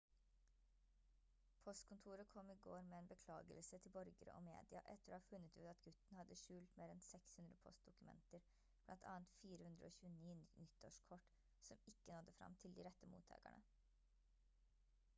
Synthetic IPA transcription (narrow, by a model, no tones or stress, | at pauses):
pʰɔst̪kʰʊnt̪ʰuːɾəkʰɔmːɪɡoːɾmɛeːnbəkʰlɑːɡə̰lsət̪ʰɪlbɔɾɡəɾə̰ʔo̰ːmḛːd̪ɪɑʔɛt̪ːəɾoːhɑːfʉnːət̪ʉ̰ːt̪ɑt̪ɡʉt̪nhɑd̪ːəʃʉːlt̪meːɾɛnsɛkshʉnd̪ɾəpʰɔst̪̚d̪ʊkʉmɛ̰nt̪əɾ | b̥lɑnt̪ʰɑ̰ːənt̪fiːɾəhʉnd̪ɾəoːçʉːəniːnnʏt̪ːoːʂkʰɔʈ | sɔmɪkːənɔd̪ːəfɾɑ̰mt̪ʰɪld̪iɾɛt̪ːəmṵːt̪ʰɑ̰ːɡæ̰ɳʔə̰